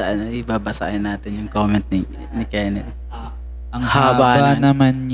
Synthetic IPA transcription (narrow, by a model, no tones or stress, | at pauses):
ɐʔɐnoʔibaːbɐsa̰ːhɪnːaːt̪ɪnjʊŋkoːmɛnt̪̚nɪ | nɪkɛːnɛ | ʔɐŋhaːbaanɐman